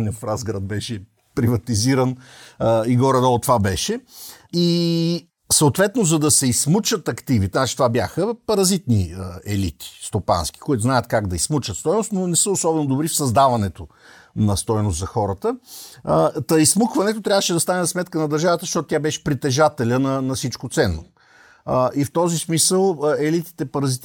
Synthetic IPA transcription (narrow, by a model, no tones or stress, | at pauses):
nɐfɾazɡɾad̪̚bɛʃɛ | pɾivɐt̪iziɾən | iɡɔɾɛd̪ɔlˠt̪ːvabɛʃɛi | səot̪vɛt̪nozɐd̪ɐsɛismut͡ʃət̪ɐkt̪ivit̪ɛzat͡ʃi̥t̪ovabʲjaxəpɐɾɐzit̪niəɛlit̪ʰi̥st̪opa̰nsk̟i̥koʊit̪ʊznajət̪kaɡd̪ɐismut͡ʃət̪st̪ɔjnost̪nonɛsəʊsɔbɛnod̪ʊbɾifsɐzd̪avɐnɛt̪o | nɐst̪ɔjnʊst̪zɐxɔɾət̪ə | t̪ɐismukvɐnɛt̪̬ot̪ɾʲavəʃɛd̪ɐst̪anɛzsmɛt̪kənɐd̪ɐɾʒavət̪əʃt̪ɔt̪ot̪ʲjabɛʃɛ̥pɾit̪ɛʒat̪ɛlʲənɐnɐfsit͡ʃkot̪sɛnːo | ift̪ɔzismisəlˠɛlit̪i̥t̪ɛpɐɾɐzit̪